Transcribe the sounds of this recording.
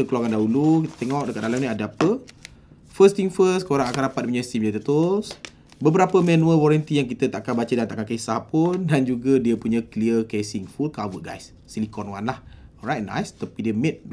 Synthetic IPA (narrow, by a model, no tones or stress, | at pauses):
t̪əkəluaŋandaɦulukit̪ə̥t̪ɛŋɔk̚dəkat̪̚dalamniadəapə | fəst̪iŋfəskoɾaŋakandapat̪̚puɲəst̪imd͡ʒat̪ət̪ʊs | bəbəɾapəmɛnũəlwɔɾant̪ijaŋk̬it̪ət̪aʔkanbat͡ʃədant̪aʔkakesahpundand͡ʒuɡədiəpuɲəkliəkesiŋfulkawəʔ̚ɡa̰jsːilikɔnwanlahɾajt̚na̰jst̪apidiəmɛt̪̚